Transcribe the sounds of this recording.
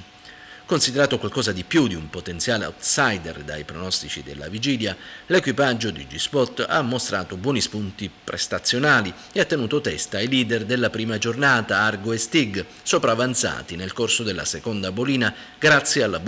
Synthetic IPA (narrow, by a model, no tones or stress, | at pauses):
konsid̪eɾaːt̪okwalkɔːzad̪ipjud̪iumpot̪ent̪sjaːlea̰wt̪sajd̪ḛrd̪a̰jpɾonɔst̪it͡ʃḭd̪elːa̰vid͡ʒiːljalekwipad͡ʒːod̪id͡ʒispɔt̪ːa̰mːost̪ɾʔaːt̪obwɔːnispunt̪ipɾḛst̪at̪sːjonaːli | eat̪ːenuːt̪ot̪ɛst̪ailiːd̪ɛrd̪elːapɾiːmad͡ʒornaːt̪aarɡoest̪iɡ | sopɾaːvant̪sa̰ːt̪inelkorsod̪elːa̰sekond̪aboliːna | ɡɾat̪sːjealːab